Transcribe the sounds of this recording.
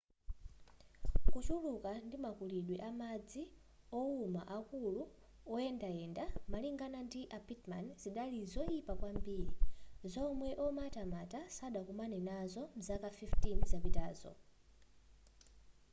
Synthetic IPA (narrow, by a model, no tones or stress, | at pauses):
kut͡ʃulukandimakuliɗwiʔamad͡zi | ɔuma̰ʔakulu | ɔɛndaɛndamaliŋɡanandiʔapitma̰nz̥iɗalizɔipakwambiːɾizɔmwɛʔɔmatamatasaɗakumanɛnazɔm̩zakafiftinzapitaːzɔ̰